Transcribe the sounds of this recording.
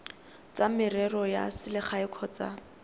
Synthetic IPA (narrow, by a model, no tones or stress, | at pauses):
t͡samɪrɛrɔja̰sɪlɪχaɪkʰɔt͡sa̰